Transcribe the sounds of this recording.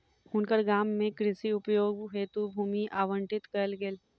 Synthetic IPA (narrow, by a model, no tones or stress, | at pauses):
ɦʊnkəɾɡaːmːẽkɾɪsiʊpjoːɡɦet̪ubʱuːmiʔaːʋə̃ɳʈɪt̪kɐɾlɡeːl